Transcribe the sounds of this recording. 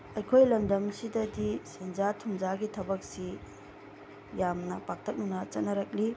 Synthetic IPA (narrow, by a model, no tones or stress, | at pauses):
ɐjkʰojlɐmdɐmsidɐdisend͡ʒatʰumd͡ʒaɡitʰɐbɐk̚si | jamnɐpak̚tʰɐk̚nunɐt͡ʃɐt̚nɐɾɐk̚li